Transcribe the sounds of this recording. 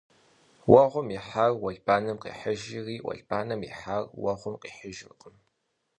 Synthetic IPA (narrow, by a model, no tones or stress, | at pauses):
wɐʁʷʊmiħaːrwɐɮbaːnɐmqḭːħəʒɪriːʔʷɔ̰ɮb̥aːnɐmḭħaːrwɐʁʷʊmqiːħəʒɪrqʼəm